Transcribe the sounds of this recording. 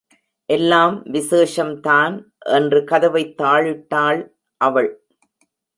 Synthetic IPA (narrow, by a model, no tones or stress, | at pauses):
ʔɛlːaːmʋɪseːʂɐmt̪aːn | ʔɛndrɯkɐðɐʋɐɪt̪ːaːɻɪʈːaːɭ | ʔɐʋɐɭ